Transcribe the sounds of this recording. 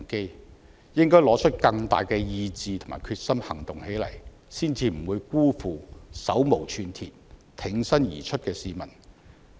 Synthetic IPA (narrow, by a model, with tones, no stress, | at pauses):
ke˥j | jɪ˥ŋkɔː˥jlɔː˨˥t͡ʃʰɵ˥t̚kɐ˧ŋt̪a̰ː˨jkɛː˧jiː˧t͡siː˧t̪ʰʊ˨˩ŋma̰˨jkʰyː˧t̚sɐ˥mhɐ˨˩ŋt̪ʊ˨˩ŋhe˨˥jlɐ̰˨˩j | siː˥nt͡siː˧m̩˨˩wuː˨˧jkuː˥fuː˨sɐ˨˥wmo˨˩wt͡ʃʰyː˧nt̪ʰi˨t̚t̪ʰɪ˨˥ŋsɐ˥njḭː˨˩t͡ʃʰɵ˥t̚kɛː˧siː˨˧mɐ˨˩n